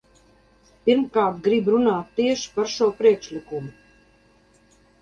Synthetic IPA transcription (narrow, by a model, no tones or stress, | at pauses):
pʲiɾmkaːɾt̪̚ɡɾibɾunaːt̪ːiɛʃi̥paɾʃuɔpɾiɛkʃlʲikumu